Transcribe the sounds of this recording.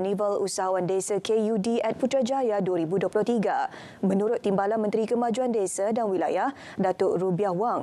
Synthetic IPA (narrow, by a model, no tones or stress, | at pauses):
nivəlṵsaɦawandesakejudiɛt̪̚put̪ɾad͡ʒajaduəɾibuduəplʊht̪iɡa | mə̃nuɾʊt̪ːimbalanmə̃nt̪ɾikəmãd͡ʒuandesadanwila̰jah | dat̪ʊʔɾubiahwaŋ